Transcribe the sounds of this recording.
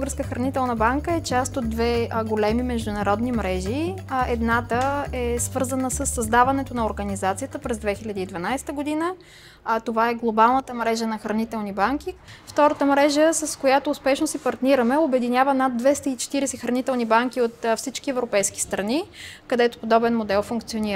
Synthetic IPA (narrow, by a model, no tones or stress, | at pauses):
bˠɡəɾskəxɾɐnit̪ɛlˠnəbaŋkəɛt͡ʃast̪od̪̚ːvɛɡolɛmimɛʒd̪ʊnɐɾɔd̪nimɾɛʒiɛd̪nat̪əɛsvɤɾzənəsəsːɐzd̪avɐnɛt̪onɐoɾɡɐnizat̪sijət̪əpɾɛzd̪vɛxilʲəd̪iːd̪vɐnajst̪əɡod̪inə | t̪ovaɛɡlˠobalˠnət̪əmɾɛʒənɐxɾɐnit̪ɛlˠnibaŋkift̪ɔɾət̪əmɾɛʒəsɐskojat̪oːspɛʃnosipɐɾt̪niɾəmɛobɛd̪inʲjavənad̪̚d̪vɛst̪əit͡ʃɛ̥t̪iɾɛsɛxɾɐnit̪ɛlˠnibaŋk̟iot̪fsit͡ʃk̟iɛvɾopɛjski̥st̪ɾɐnikɐd̪ɛt̪o̥pod̪ɔbɛnmod̪ɛlˠfuŋkt̪sioniɾ